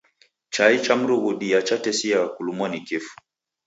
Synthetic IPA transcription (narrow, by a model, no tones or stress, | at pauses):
t͡ʃait͡ʃam̩ɾuɣuɗijat͡ʃatɛsijakulumɔnikifu̥